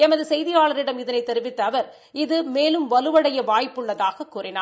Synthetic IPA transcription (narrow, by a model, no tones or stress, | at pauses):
ɛmɐðɯsɛjðɪjaːɭɐɾɪɽɐmɪðɐnɐɪt̪ːɛɾɯʋɪt̪ːɐːʋɐɾ | ɪðɯmeːlɯmʋɐlɯʋɐɽɐjɐʋaːjpːɯɭːɐðaːɣɐkːuːrɪna̰ː